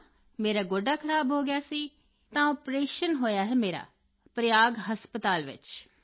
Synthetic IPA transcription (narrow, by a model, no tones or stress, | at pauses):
meːɾaːɡoːɖaːkʰəɾaːbɦoːɡɪjaːsiː | t̪ãːɔːpɾeːʃənɦoːjaːɦɛːmeːɾa̰ː | pɾəjaːɡɦəspət̪aːlʋɪ̰t͡ʃ